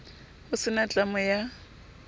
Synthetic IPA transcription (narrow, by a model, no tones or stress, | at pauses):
ʊsɪnat͡ɬʼamʊja